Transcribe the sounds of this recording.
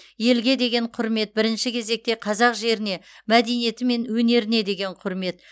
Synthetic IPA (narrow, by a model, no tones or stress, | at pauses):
je̞lɡʲe̞d̪e̞ɡʲe̞ɴqʰʊɾme̞t̪̚bɪɾɪnʃɪkʲʰe̞ze̞k̚t̪e̞qʰɑzɑqʒe̞ɾɪne̞mæd̪e̞nije̞t̪ɪme̞nwɵne̞ɾɪne̞d̪e̞ɡʲe̞ɴqʰʊɾme̞t̪